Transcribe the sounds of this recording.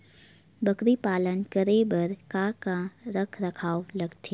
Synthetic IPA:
bɐkɾipaːlənkəɾebəɾkãkãɾəkʰɾɐkʰaːolɐɡt̪ʰeː

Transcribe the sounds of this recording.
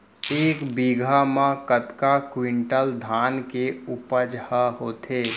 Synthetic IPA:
eːkbiːɡʱamãkət̪kakwɪ̃ɳʈəld̪ʱaːnkeʊpəd͡ʒhəɦoːt̪ʰeː

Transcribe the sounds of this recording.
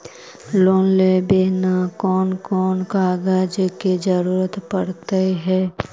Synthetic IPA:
loːnlebeːnakɔːnkɔːnkaːɡaːd͡ʒəked͡ʒəɾuːɾət̪pəɽt̪əiɦɛː

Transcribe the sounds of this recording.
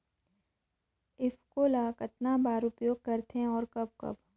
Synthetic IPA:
ɪfkoːlakɐt̪nabaːɾʊpjoːɡ̚kɐɾt̪ẽɔːɾkɐb̚kɐ̰b

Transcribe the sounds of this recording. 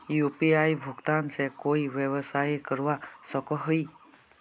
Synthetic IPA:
jupiajbʱuɡt̪ansɛkojbjebɔsajkɔɹuwasɔkɔɦɔj

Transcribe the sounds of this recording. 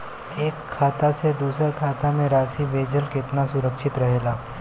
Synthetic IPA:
eːkʰːaːt̪ased̪uːsəɾkʰat̪amẽɾasibʱed͡ʒəlkɪt̪nasuɾəkʃɪt̪ɾəɦela

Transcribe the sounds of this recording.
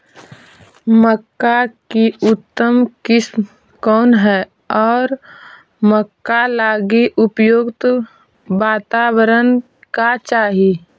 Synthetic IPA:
məkːakiʊt̪ːəmkɪsm | kɔːnɦɛ | ɔːɾ | məkːalaːɡiʔʊpjoːɡt̪ | ʋaːt̪aːwəɾən | kat͡ʃaːɦi

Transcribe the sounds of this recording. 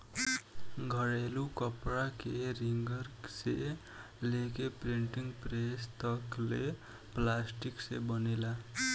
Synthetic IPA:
ɡʱʌɽelukʌprakeriŋɡʌrsḛ | lekepriɳʈiŋprest̪ʌkle | plasʈiksebʌnela

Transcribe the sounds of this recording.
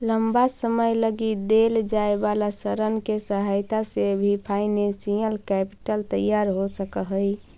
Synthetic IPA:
ləmbasəməjləɡid̪eld͡ʒaebalasəɾənkesəɦajt̪asebʱipʰaɪnesiəlkɛpi̥ʈəlt̪əjaɾɦosəkəɦəj

